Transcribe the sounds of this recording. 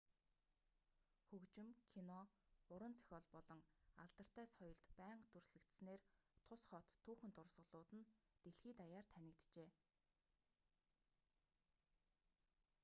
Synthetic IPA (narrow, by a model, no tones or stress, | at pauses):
xɵkt͡ɕɪ̆mkʰinɔʊɾwə̆nt͡sʰœ̥xʲɔːɮpɔɮɞ̆ŋaɮt̪ə̆r̥t̪æːsχɔjɞ̆ɮt̪pæːɴqt̪ɵrsɮɘ̆kt̪sneːrt̪ʰʊsχɔt̪ʰːuːxɘ̆nt̪ʊrsʁə̆ɮʊːt̪ɘ̆nt̪eɮxiːt̪ajaːrt̪ʰænʲɪ̆kt̪t͡ɕeː